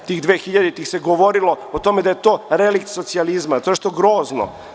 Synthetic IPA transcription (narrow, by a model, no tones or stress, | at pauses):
t̪iːxd̪ʋeːxiʎad̪it̪ixseɡoʋo̞ɾilo̞ot̪o̞med̪ajet̪o̞ːɾelikt̪so̞t̪sializmat̪oneʂʃt̪oɡɾoːzno̰